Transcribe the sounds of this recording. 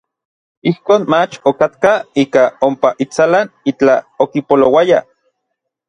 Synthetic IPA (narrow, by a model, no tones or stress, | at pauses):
ihkoːnmat͡ʃokat̪kaiːkaompaʔit͡salanit͡ɬaokipolowaja̰